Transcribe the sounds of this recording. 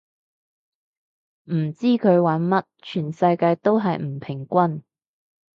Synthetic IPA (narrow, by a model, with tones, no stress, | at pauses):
m̩˨˩t͡siː˥kʰɵ˨˧ɥwɐ˨˥nmɐ˥t̚t͡ʃʰyː˨˩nsɐ˧jkaː˧jt̪o˥wɦɐ˨jm̩˨˩pʰɪ˨˩ŋkʷɐ˥n